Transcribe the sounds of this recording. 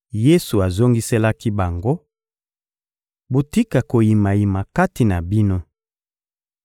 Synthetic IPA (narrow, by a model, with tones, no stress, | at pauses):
je˦su˨a˨zo˦ŋɡi˦se˦la˦ki˦ba˨ŋɡo˦ | bo˨ti˦ka˨ko˨ji˨ma˨ji˨ma˨ka˦ti˨na˨bi˦no˦